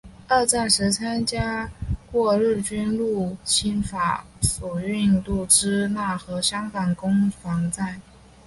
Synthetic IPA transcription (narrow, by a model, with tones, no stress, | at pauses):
ə˥˧t͡sa˥˩ʂɻ̩˧˥t͡sʰa˥nt͡ɕja˥kwɔ˥˧ɻ̩˥˩t͡ɕy˥nlu˥˩t͡ɕʰi˥nfa̰˧˥˦ | sɔ˨˩y˥˧ŋt̪u˥˩ʈ͡ʂɻ̩˥na˥˩xɤ˧˥ɕjɑ˥ŋkɑ˨˩ŋkʊ˥ŋfɑ˧˥ŋt͡sa˥˩ɪ